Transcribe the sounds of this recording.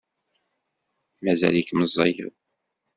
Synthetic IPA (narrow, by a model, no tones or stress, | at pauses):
mæzæ̰likməzˤːɑjə̰ð